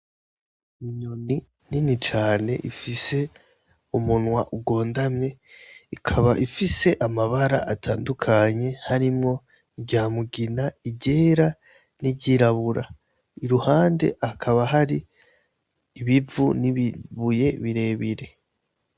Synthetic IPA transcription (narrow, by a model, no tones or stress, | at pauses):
iɲoni | ninit͡ʃaːne̞̰ʔifise̞ | umunwaʔuɡo̞ːndamɲe̞ikʰaβaʔifise̞ʔamaβaɾa̰ʔatʰaːndukʰaɲe̞haɾimŋo̞ | iβɟaːmuɡinaiɟe̞ːɾa | niɟiɾaβuɾa | iɾuhaːnde̞̰ʔakʰaβaɦaɾi | βivuniβiβuje̞βiɾe̞ːβiɾe̞